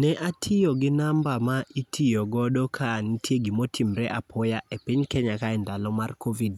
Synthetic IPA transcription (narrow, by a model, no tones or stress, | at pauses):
nɛʔatʰɪjɔɡɪnambamaitʰijɔɡɔɗɔkʰanitʰjeɡimɔtʰimɾɛʔapʰɔjaʔepɪɲkɛɲakaɛndalɔmarkʰovid